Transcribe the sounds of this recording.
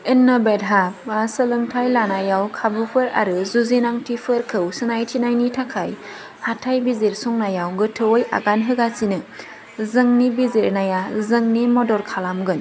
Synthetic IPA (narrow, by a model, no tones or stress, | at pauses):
ɯnːabedɦapasɯlɯŋtʰajlanajawkʰabupʰɯɾa̰ɾɯzuzinaŋtʰipʰɯɾkʰɯwsɯnajtʰinajnitʰakʰaj | hatʰajbizeɾsuŋnajawɡɯtʰɯwoja̰ɡanɦɯɡasinɯ | zɯŋnibizeɾnajazɯŋnimɔdɔɾkʰalamɡɯn